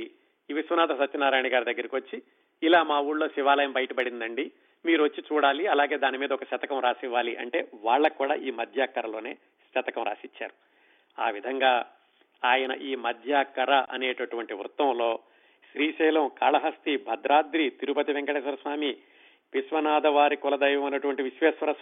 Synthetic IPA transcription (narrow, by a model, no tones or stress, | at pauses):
iʋisʋɐnaːd̪ɐsɐtːt͡ʃɐnaːɾaːjɳiɡaːɾud̪ɐɡːɐɾikiʋɐt͡ʃːiː | laːmaːuːɽlo̞ːʃiʋaːlɐjɐmbɐjɐʈɐpɐɽind̪ɐɳɖi | miːɾuʋɐt͡ʃːit͡ʃuːɽaːliɐlaːɡe̞ːd̪aːnimiːd̪ɐɔkɐʃɐt̪ɐkɐmɾaːsiʋːaːliʔɐ̰ɳʈe̞̰ːʋaːɭːɐkːuːɽa̰ːʔiːmɐd̪ʱjaːkːɐɾɐlo̞ːneː | ʃɐt̪ɐkɐmɾa̰ːsit͡ʃːa̰ːɾu | a̰ːʋid̪ʱɐŋɡaː | aːjɐnɐ̰ʔiːmɐd̪ʱjaːkːɐɾɐʔɐ̰neːʈɐʈuʋɐɳʈiʋɾut̪ɐmlo̞ː | ʃɾiːʃɛːlɐmkaːlɐɦɐst̪ibʱɐd̪ɾaːd̪ɾit̪iɾupɐt̪iʋɛŋkɐɽɛːʃɐɾɐsʋaːmi | piʃʋɐnaːd̪ɐʋaːɾikulɐd̪ɐjʋɐmɐnɐʈuʋɐɳʈiʋiʃʋɛːsʋɐɾɐ